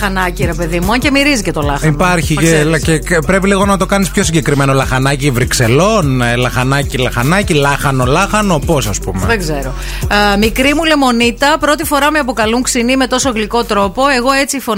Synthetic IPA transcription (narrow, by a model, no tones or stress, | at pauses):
ɐnɐciɾe̞pe̞ðimuɐce̞miɾizice̞t̪o̞lɐxipaɾçiecepɾepiliɣo̞nɐt̪o̞kɐnispço̞siɲɟekɾimeno̞lɐxɐnɐcivɾikse̞lo̞nlɐxɐnɐcilɐxɐnɐcilɐxɐnolɐxɐnopo̞sɐspumeðeɡze̞ɾo̞ | mikɾimule̞mo̞nit̪ɐpɾo̞t̪ifo̞ɾɐmeɐpo̞kɐluŋksinime̞t̪o̞soɣliko̞t̪ɾo̞po̞e̞ɣo̞e̞t͡sifo̞